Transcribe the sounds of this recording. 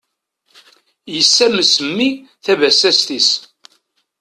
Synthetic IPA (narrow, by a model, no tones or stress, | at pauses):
jəsːæməsəmːiθævæsæst̪is